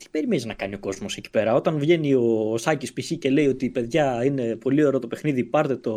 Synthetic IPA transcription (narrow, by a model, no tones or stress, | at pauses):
t̪i̥b̥e̞ɾime̞niznɐkɐnio̞ko̞zmo̞seci̥pe̞ɾɐo̞t̪ɐnvʝe̞nio̞sɐcispiçice̞le̞io̞t̪ipe̞ðʝɐine̞po̞lio̞ɾo̞t̪o̞pe̞xniðipɐɾt̪e̞t̪o̞